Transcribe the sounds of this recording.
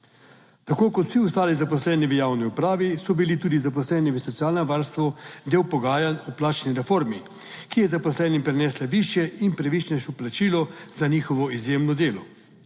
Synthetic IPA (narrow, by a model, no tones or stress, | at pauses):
t̪akoːkɔt̪w̥siust̪aːlizapɔslɛːniʋəjaːwniupɾaːʋisɔbilit̪uːd̪izap̬ɔslɛːniʋəsɔt̪sijaːlnɛʋaːɾst̪ʋɔd̪eːwpɔɡaːjanuplaːt͡ʃniɾɛfoːɾmi | kijɛzapɔslɛːnimpɾɛnɛːslaʋiːʃjɛinpɾɛʋit͡ʃnɛʃɔplat͡ʃiːlɔz̥aniːxɔʋɔizjeːmnɔd̪eːlɔ